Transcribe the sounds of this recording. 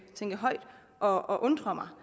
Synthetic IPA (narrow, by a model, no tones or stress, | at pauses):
t͡sʰeŋɡ̥əɦɒ̽ɪd̥ | ʔɒ̽ɒʔɔ̽nd̥ʁɒmɑ̈ɪ